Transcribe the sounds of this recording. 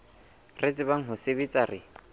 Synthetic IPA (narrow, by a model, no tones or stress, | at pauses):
ret͡sʼɪbaŋ̩ɦʊsebit͡sʼarɪ